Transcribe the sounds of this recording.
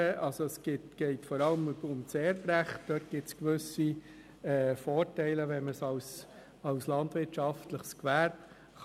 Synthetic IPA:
ɑlsoɛsɡ̥ɪtɡ̥ɛɪtfɔɾɑləmʊmt͡seːɾfɾæχt̚d̥œːt̚ɡ̥ɪtskʋʏsi | ɛːfɔːɾtæɪləvɛnməsɑws | ɑʊslɑndʋɪtʃɑftləχskʋæɾp | χ

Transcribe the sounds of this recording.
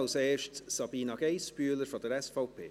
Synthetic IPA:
lseːʃtssɑbiːnɑɡ̥eɪspyələɾfɔdəɾɛsfɔʊpʰḛː

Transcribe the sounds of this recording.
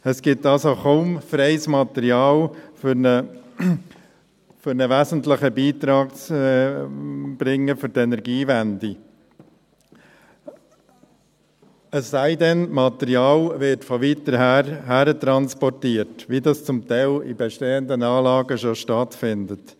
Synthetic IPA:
əsɡ̥ɪt̪ɑlsoχomfɾɛɪsmɑt̪ɛɾiɑːlfʏnə | fʏɾnəʋæzən̩tləχəbiːt̪ɾɑːk̚t͡s | b̥ɾɪŋːəfʏɾtɛnɛɾɡiːʋændi | əsːæɪdɛnmɑt̪ɛɾiɑːlʋɪɾtfɔʋit̪əɾhæɦæɾətɾɑnspɔrtiːətʋidɑst͡sʊmt̪ɛɪlḭbɛʃteːənd̪ənɑːlɑːɡəʃoʃtɑtfɪndət

